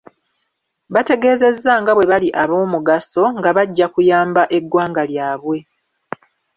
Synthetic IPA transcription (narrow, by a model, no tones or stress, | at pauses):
βate̞ɡe̞ːze̞zːaŋɡaβwe̞βaliʔaβo̞ːmuɡaso̞ŋɡaβaɟːakujaːmbaʔe̞ɡwaːŋɡaljaːβwe̞